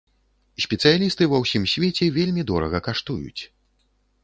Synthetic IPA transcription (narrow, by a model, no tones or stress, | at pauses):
sʲpʲɛt̪sɨjalʲist̪ɨvɐwsʲimsʲvʲet͡sʲɛvʲelʲmʲid̪ɔɾɐ̰ɣɐkaʂt̪ujṵt͡sʲ